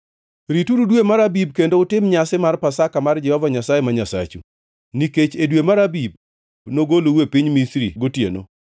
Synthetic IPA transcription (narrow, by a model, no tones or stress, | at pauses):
ɾituɾudwemaɾabib̚kendoʊtɪmɲasɪmarpasakamard͡ʒɛhɔvaɲasajemaɲasa̰t͡ʃṵ | niket͡ʃedwemaɾabib̚ | noɡolowepiɲmisɾḭɡotjḛno̰